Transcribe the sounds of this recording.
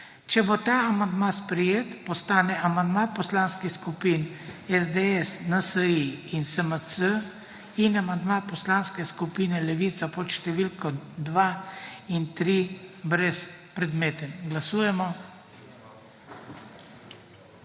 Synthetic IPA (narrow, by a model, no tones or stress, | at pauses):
t͡ʃɛbot̪aːamand̪maspɾɛjeːt̪pɔst̪aːnɛʔamand̪mapɔslanskixskupiːnɛzd̪eɛsnəsəiinsəməsə | inamand̪mapɔslanskɛskupiːnɛlɛʋiːt̪sapɔt̪ʃt̪ɛʋilkɔd̪ʋaint̪ɾibɾɛspɾɛd̪meːt̪ɛnɡlasuːjɛmɔ